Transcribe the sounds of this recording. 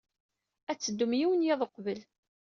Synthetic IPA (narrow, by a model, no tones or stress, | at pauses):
æt͡sːəd̪ːumjiwənjeðˤəqvəl